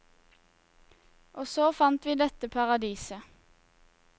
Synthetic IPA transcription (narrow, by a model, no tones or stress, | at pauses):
ʔoːsoːfɑnt̪ʋiːd̪ɛt̪əpʰɑʁɑd̪iːsə